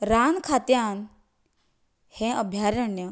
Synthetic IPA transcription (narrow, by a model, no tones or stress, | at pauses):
ɾaːnkʰat̪jaːn | hẽʔəbʱjaːɾəɳjə